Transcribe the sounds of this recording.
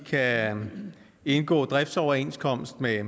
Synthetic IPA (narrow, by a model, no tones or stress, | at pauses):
kʰæ | e̝nɡ̥ɔ̰ːd̥ʁɛfd̥sɒʊɐe̝nskʰɒ̽m̰sd̥me